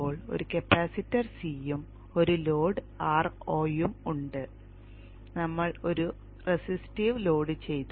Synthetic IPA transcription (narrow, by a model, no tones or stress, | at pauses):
oːɭo̞̰ɾukɐpːaːsitːɐrsiːjum | o̞ɾulo̞ːɖɨ | aːroːjumuɳɖɨ | nɐmːɐɭo̞ɾu | resistiʋlo̞ːɽɨt͡ɕe̞jt̪u